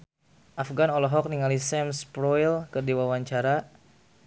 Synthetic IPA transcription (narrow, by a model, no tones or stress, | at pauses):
ʔafɡanɔlɔɦɔk̚niŋalisɛmspɾɔilkɨrdiwawaɲt͡ʃaɾa